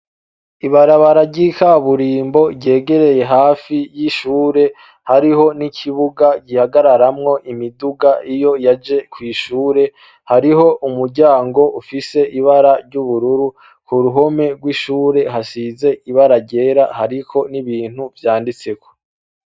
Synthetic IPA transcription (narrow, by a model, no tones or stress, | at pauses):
iβaɾaβaɾaɾɟikaβuɾiːmbo̞ɾɟe̞ːɡe̞ɾe̞je̞ɦaːfijiʃuːɾe̞ | haɾiɦo̞nicʰiβuɡaɟihaɡaɾaɾamŋo̞ʔimiduɡaʔijo̞jad͡ʒe̞kwiːʃuːɾe̞ | haɾiɦo̞ʔumuɾɟaːŋɡo̞ʔufise̞ʔiβaɾaɾɟuβuɾuɾu | kuɾuɦo̞me̞ɡwiʃuːɾe̞ɦaʃize̞ʔiβaɾaɟe̞ːɾahaɾikʰo̞niβiːn̥huvjaːndit͡se̞kʰo̥